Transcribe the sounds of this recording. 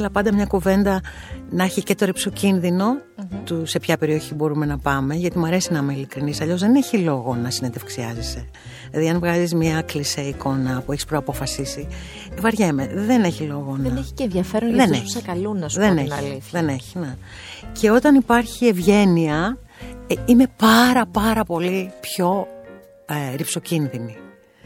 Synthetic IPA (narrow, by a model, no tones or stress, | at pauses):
ɐlɐpɐnd̪ɐmɲɐkuve̞nd̪ɐ | nɐçice̞t̪o̞ɾipsocinðino̞ | t̪use̞pçɐpe̞ɾio̞çibo̞ɾume̞nɐpɐme̞ʝɐt̪imuɐɾe̞sinɐmeilikɾinisɐʎo̞zðe̞ne̞çilo̞ɣo̞nɐsinend̪efksiɐzese̞ | lɐðiɐnvɣɐzizmɐkliseiko̞nɐpue̞çispɾoɐpo̞fɐsisi | vɐɾʝeme̞ðene̞çilo̞ɣo̞nɐeçi̥enʝɐfeɾonððeneçɐikɐlunɐsðeneliðeneçi̥ne | ce̞o̞t̪ɐnipɐɾçie̞vʝe̞niɐ | ime̞pɐɾɐpɐɾɐpo̞lipço̞ | ɾipso̞cinðini